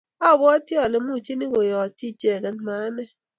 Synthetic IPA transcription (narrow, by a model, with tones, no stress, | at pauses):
ɔ˦˨bɔ˦ti˦ɔ˨le˨mu˦˨t͡ʃi˦ni˦ɡo˨jɔ˨ti˦˨t͡ʃe˦˨kɛ˦n˦ma˨˦nɛ˦